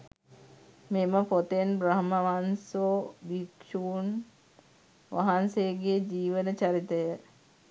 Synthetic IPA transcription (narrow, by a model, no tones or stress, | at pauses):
meməpot̪enbɾɐɦməʋansobikʃuːn | ʋa̰ɦanseɡed͡ʒiːʋənət͡ʃɐɾit̪əjə